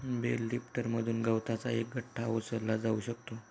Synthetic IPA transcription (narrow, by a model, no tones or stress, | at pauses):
belːipʈəɾməd̪ʱuːnɡəwt̪ʰat͡saek̚ɡəʈʰːaosəlːad͡zauɕək̚t̪o